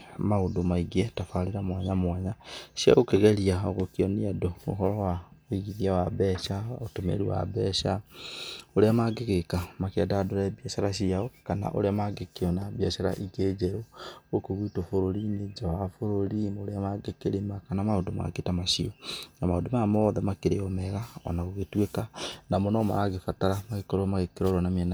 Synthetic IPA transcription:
maodomaiɡietafaleɾamwaɲamwaɲaʃia̰ɣokeɣeɾiaoɣokiɔniadoo̰ɦɔɾɔwaoiɣiðiawabɛʃaotomḛɾiwa̰bɛʃa | oɾeamaɡeɣekamakeadadoɾɛbiaʃaɾaʃiaɔkana̰ʔo̰ɾeamaɡekeɔnabiaʃaɾa̰ʔiɡed͡ʒeɾookoɣitofoɾoɾined͡ʒawafoɾoɾimoɾeamaɡekeɾemakanamaondoma̰ketamaʃiɔnamaondomamɔðɛmakeɾeɔmɛɣaɔ̰naɣoɣetwekanamɔnɔma̰aɣefataɾamaɣekɔɾɔmaɣekeɾɔɾɔnamiana

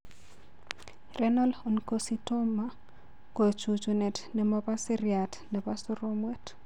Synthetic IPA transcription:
rɛnalonkositomːa | kot͡ʃut͡ʃunɛtnɛmapasɛɾjatnɛpasuɾomwɛt

